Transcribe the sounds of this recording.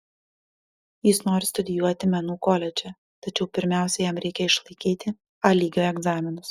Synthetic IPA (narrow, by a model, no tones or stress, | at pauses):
jɪsnoːɾʲɪst̪ʊd̪ʲɪjuɔt̪ʲɪmʲɛnuːkoːlʲɛd͡ʒʲɛ | t̪ɐt͡ʃʲɛʊpʲɪɾʲmʲæˑʊsʲɛjɛmɾʲɛɪkʲɛɪʃlˠɐɪkʲiːt̪ʲɪ | ɐlʲiːɡʲoːɛɡzɑːmʲɪnʊs